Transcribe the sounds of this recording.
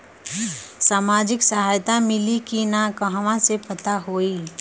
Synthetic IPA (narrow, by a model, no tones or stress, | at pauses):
saːmaːd͡ʒɪksəɦaːjt̪amɪlikinakəɦʋãsepət̪aɦoːiː